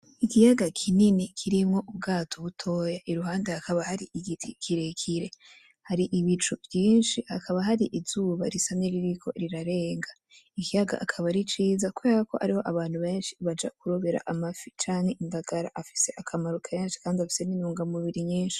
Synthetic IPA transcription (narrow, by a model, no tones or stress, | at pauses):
ikijaɡakʰininikʰiɾimŋo̞ʔubɡaːtʰoβutʰo̞ːjaʔiɾuɦaːndehakaβahaɾiʔiɡitʰikʰiɾe̞kʰiɾe̞ | haɾiʔiβit͡ʃuvjiːnʃihakʰaβaɦaɾiʔizuːβaɾisameɾiɾikʰo̞̰ɾiɾaɾe̞ːŋɡa | ikijaɡa̰ʔakʰaβaɾit͡ʃiːzakweβako̞̰ʔa̰ɾiho̞ʔaβaːnhuβe̞ːnʃiβad͡ʒa̰kuɾo̞βe̞ɾa̰ʔamafi̥t͡ʃaːŋ̥he̞ʔinmdaɡ̥aɾa̰ʔafi̥se̞ʔakʰamaɾukʰanʃi̥kaːndiafi̥se̞ninuːŋɡamuβiɾiɲiːnʃi̥